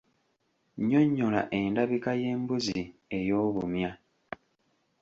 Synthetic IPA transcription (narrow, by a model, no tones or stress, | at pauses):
ɲo̞ɲːola̰ʔe̞ndaβikaje̞ːmbuzie̞jo̞ːβumja